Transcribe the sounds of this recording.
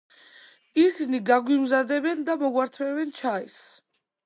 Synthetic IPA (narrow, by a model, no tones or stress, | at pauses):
iɾsniɡaɡwimzad̪ɛbɛnd̪amɔɡwaɾt̪ʰvɛvɛnt͡ʃʰais